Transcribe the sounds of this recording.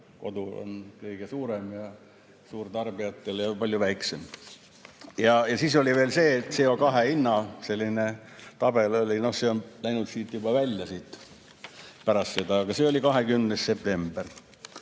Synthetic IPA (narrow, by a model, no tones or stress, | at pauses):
ko̞̰d̪uo̰nkɤjɡ̥esuːɾemjɑ | suːrt̪ɑrb̥iɑt̪ːeljɑpɑlʲjuvæjksem | jɑjɑsiːsolʲiʋeːlse̞ːt̪seokɑɦeinːɑse̞lʲːine | t̪ɑb̥e̞lo̞lʲino̞hse̞onlæjnut̪siːt̪jubɑvælʲjɑsiːt̪ː | pæɾɑst̪sed̪ɑːɡ̥ɑseːolʲikɑɦekymnesse̞p̚t̪e̞mb̥er